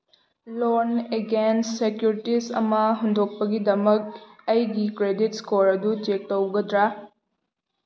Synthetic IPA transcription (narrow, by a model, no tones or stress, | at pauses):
loneɡensːekjuɾitisɐ̰mɐɦund̪ʱok̚pɐɡidɐmɐk̚ɐjɡikɾeditskoɾɐdut͡ʃek̚tɐwɡɐdɾa